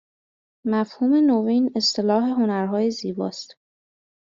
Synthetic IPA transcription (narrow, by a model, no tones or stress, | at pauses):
mæfhuːme̞noviːne̞st̪ʰe̞lɒːɦe̞ɦo̞næɾɦɒːjeziːbɒ̰ːst̪